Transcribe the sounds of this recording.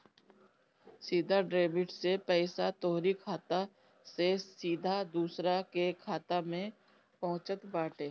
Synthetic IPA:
siːd̪ʱaɖɾeːbɪʈsepɛːsat̪oːɾikʰaːt̪a | sesiːd̪ʱad̪uːsɾakekʰaːt̪amẽ | pɐɦʊ̃t͡ʃət̪baːʈeː

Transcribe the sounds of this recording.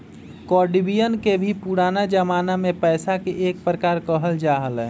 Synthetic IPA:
kɔːɖibijənkebʱipuɾaːnad͡ʒəmaːnamẽpɛːsakeʔeːk̚pɾəkaːɾkəɦəld͡ʒaːɦəlɛ̃ː

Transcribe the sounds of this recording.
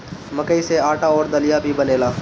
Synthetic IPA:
mɐkəiseaːʈaɔːɾd̪ɐlijabʱibɐneːlaː

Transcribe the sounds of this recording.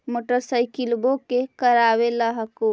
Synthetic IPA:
moʈəɾsəjkilbokekəɾabelaɦəko

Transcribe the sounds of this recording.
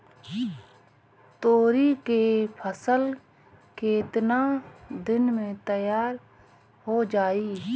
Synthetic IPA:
t̪oːɾikepʰəsəl | keːɪt̪nad̪ɪnmẽt̪əjaːɾ | ɦod͡ʒaːiː

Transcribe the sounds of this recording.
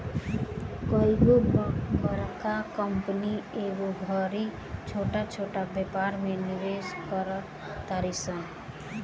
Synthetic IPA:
kʌiɡobbʌɾkakʌmpənieɡubʱʌɾi | t͡ʃʰoʈat͡ʃʰoʈabepaɾmeniɾeskʌɾʌ | t̪aɾisʌ̃

